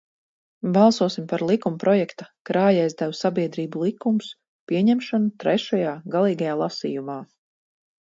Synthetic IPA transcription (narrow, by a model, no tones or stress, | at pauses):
bɑlˠsuɔsimpaɾlˠikumpɾɔjɛkt̪ḁkɾaːjajzd̪awsabiɛd̪ɾiːbulˠikums | piɛɲɛmʃɔnut̪ɾɛʃajaːɡalˠiːɡajaːlˠasḭːjumaː